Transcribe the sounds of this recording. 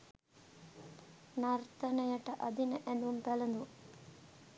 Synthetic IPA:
nɐɾt̪ɐnɐjɐʈɐʔɐd̪inɐʔɛnd̪umpɛlɐnd̪u

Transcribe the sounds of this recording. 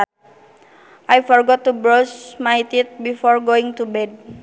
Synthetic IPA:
ʔajfɔrɡɔt̪ːubɾɔsmajt̪it̪̚bifɔrɡoɪŋt̪ubɛd̚

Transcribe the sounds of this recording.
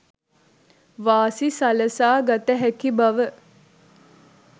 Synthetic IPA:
ʋaːsisaləsaːɡat̪əɦækibaʋə

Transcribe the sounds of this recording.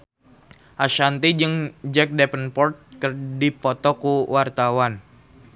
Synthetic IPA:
ʔaʃant̪id͡ʒɨŋd͡ʒɛk̚dɛpənpɔrt̪̚kɨrdipɔt̪ɔkuwart̪awan

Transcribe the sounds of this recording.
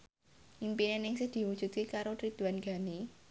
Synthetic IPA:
ʔimpinenɪŋsehd̪̥i̤wud̥ʒ̥ṳt̪̚kekaɾot̪ɾid̪̥ṳanɡ̥a̤ne

